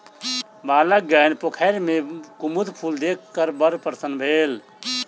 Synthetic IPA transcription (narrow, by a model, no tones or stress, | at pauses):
baːlək̚ɡənpokʰaɪɾmekumud̪pʰuld̪ekʰkːəɾbəɾpəɾsənbʱeːl